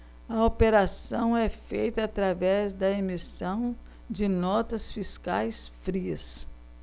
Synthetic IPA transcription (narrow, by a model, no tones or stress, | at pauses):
ɐopeɾasɐ̃w̃ɛfejt̪ɐːt̪ɾavɛzd̪ɐemisɐ̃w̃ | d͡ʒɪnɔt̪ɐsfiska̰jsfɾiɐs